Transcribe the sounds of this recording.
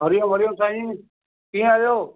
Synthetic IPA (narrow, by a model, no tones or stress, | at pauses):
ɦəɾɪjõːʋʱəɾɪjõːsaːɦĩː | kiːaːjoː